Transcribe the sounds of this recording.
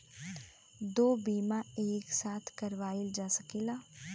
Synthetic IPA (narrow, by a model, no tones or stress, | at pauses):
d̪oːbiːmãeːksaːt̪ʰkəɾʋaːild͡ʒaːsəkeːlaː